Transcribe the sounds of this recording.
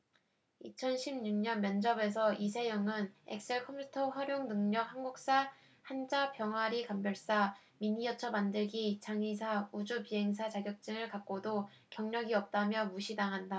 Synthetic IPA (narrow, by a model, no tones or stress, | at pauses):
ḭt͡ɕʰʌnɕʰibɲuŋɲʌnmjʌnd͡ʑʌbe̞s̬ʰʌʔis̬ʰe̞jʌŋɯnḛk̚s͈eɭkʰʌmpʰutʰʌɸaɾjoŋnɯŋɲʌk̚hanɡuk̚s͈a | hand͡ʑapjʌŋwaɾikambjʌɭs͈a | miɲijʌt͡ɕʰʌmandɯɭɡit͡ɕaŋisʰaud͡ʑupiɦe̞ŋs̬ʰat͡ɕaɡjʌk̚t͡ɕ͈ɯŋɯɭkak̚k͈odo | kjʌŋɲʌɡiʌp̚t͈amjʌmuɕʰidaŋɦanda